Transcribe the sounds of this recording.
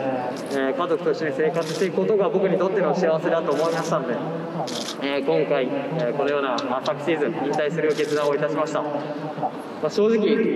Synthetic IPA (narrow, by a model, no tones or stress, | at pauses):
eːkazo̞kɯ̟̥t̪o̞i̥t͡ɕoɲiseːkat͡sɨɕt̪e̞ikɯ̟ko̞t̪o̞ɡabo̞kɯ̟ɲ̟it̪o̞t̪ːenoɕiaβ̞ase̞d̪at̪o̞ːmo̞imaɕi̥t̪ano̞d̪e̞ | eːkõ̞ŋkaieko̞no̞jo̞ːnasakɯ̟̥ɕiːzɨ̃ĩnt̪aisɨɾɯ̟ɡe̞t͡sɨd̪ãɰ̃o̞it̪aɕimaɕi̥t̪a | maɕo̞ːʑikʲi